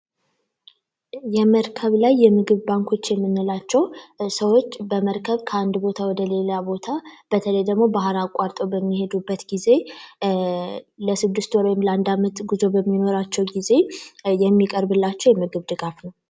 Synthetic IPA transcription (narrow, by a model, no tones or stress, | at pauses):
jɛməɾkʰəβlajːɛmɨɡɨβbaŋkʰo̞t͡ʃːjɛmːɨnːɨlat͡ʃːɛwsəwo̞t͡ʃːbəməɾkʰəβkʰəand̪bo̞t̪ʰawɔd̪əle̞labo̞t̪ʰab̥ət̪ʰələjd̪əɡmo̞baɦɾakʼːaɾt̪ʼo̞bəmːihe̞d̪ubːət̪ɡize̞ | ləsɨd̪ːɨst̪wɔɾaɛmləand̪amət̪ɡuzo̞bəmːino̞ɾat͡ʃːɛwɡize̞jɛmːikʼəɾbɨlːat͡ʃːɛwjɛmɨɡɨβd̪ɨɡafnəw